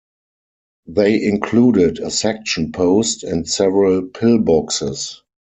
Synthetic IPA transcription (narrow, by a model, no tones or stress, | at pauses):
ðeɪʔɪ̃nkʰluːdɪdəsɛk̚ʃə̃npʰoʊstæ̃ntsɛvəɹəlpʰɪlbɔksɪs